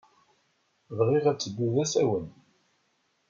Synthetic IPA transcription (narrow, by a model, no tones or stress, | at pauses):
vʁiʁæt͡sːəbːuðæsæwən